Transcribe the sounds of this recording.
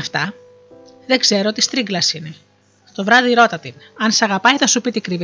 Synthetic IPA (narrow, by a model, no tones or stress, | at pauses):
ft̪ɐ | ðeɡze̞ɾoot̪ist̪ɾiŋɡlɐsine̞ | t̪o̞vɾɐðiɾot̪ɐt̪inɐnsɐɣɐpɐjθɐsupit̪ikɾiv